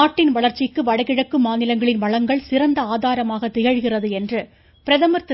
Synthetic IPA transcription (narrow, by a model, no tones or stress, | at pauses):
aːʈːɪnʋɐɭɐɾt͡ʃːɪkːɯʋɐɽɐɣɪɻɐkːɯmaːnɪlɐŋɡɐɭɪnʋɐɭɐŋɡɐɭsɪrɐnd̪ɐaːðaːɾɐmaːɣɐt̪ːɪjɐɻɣɪrɐðɯɛndrɯ | pɪɾɐðɐmɐɾt̪ɪ